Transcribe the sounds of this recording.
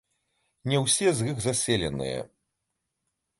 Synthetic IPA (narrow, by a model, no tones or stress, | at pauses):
nʲɛwsʲɛzɣɨɣzasʲɛlʲɛnɨ̰jɛ̰